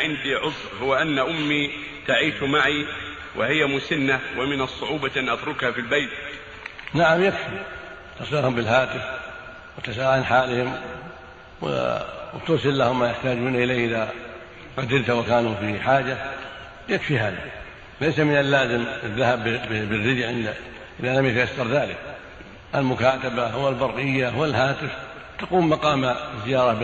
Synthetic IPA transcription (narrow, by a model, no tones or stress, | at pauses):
ʕɪnd̪iʕʊsˤɾhʊwːaʔanːaʔʊmːi | t̪aʕiːʃmaʕi | wʔɪ̰hɪjːamʊsɪnːawɪmɪnɑsˤːʊʕuːbaʔanʔat̪ɾʊkhafilbajt̪ | naʕamjakfi | t̪ɑsˤɪlahʊmbɪlhaːt̪ɪf | wɪt̪asaːʔanħaːlɪhɪm | wɪ̰wt̪ʊɾsˤɨlːahʊmːajɪħt̪aːd͡ʒuːnaʔɪlaːhʔɪða | ɣad̪ɪlt̪wakaːnufiħaːd͡ʒa | jakfihaːða̰ | lejsamɪnalːaːzɪmɪðːahabbɪrːɪd̪jʕɪnd̪a | ʔɪðalamjat̪ajasːɑɾˤðaːlɪk | ʔalmʊkaːt̪abawɪlbɑrˤʔɪjːawɪlɦaːt̪ɪf | t̪aquːmːɑqɑːmazːɪjɑːɾˤɑb